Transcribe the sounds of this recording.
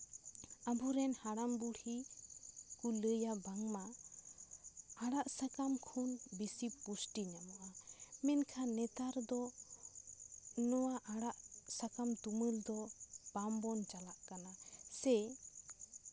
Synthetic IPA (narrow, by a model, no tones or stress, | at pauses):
abuɾɛnhaɽambuɽhi | kuləjabaŋma | aɽaʔsakamkʰunbisipːusʈiɲamɔʔamɛnkʰanɛt̪aɾd̪ɔ | nɔwaʔaɽaʔsakamt̪uməld̪ɔpambɔnt͡ʃalaʔkanasɛ